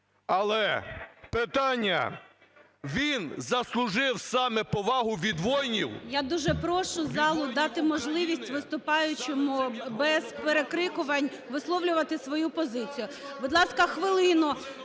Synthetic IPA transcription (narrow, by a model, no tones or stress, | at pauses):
ɐlˠɛpɪt̪ɑnʲːɐ̰ | ʋʲinzɐslˠʊʒɪwsɑmɛpɔʋɑɦʊʋʲid̪ʋɔjnʲḭwjad̪uʒɛpɾɔʃʊzɑlˠʊd̪ɑt̪ɪmɔʒlˠɪʋʲisʲtʲʋɪst̪ʊpɑjʊt͡ʃemʊbɛzpeɾekɾɪkʊʋɐnʲ | ʋɪslˠɔwlʲʊʋɐt̪ɪsʋɔjupɔzɪt͡sʲijʊ | bʊd̪lˠɑskɐxʋɪlˠɪnʊ